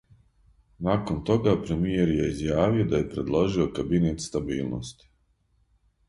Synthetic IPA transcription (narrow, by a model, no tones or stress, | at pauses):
naːkont̪o̞ɡaːpɾemijeɾjeizjaːʋijod̪ajepɾe̞d̪lˠoʒijokabineːt̪st̪abiːlˠno̰st̪i̥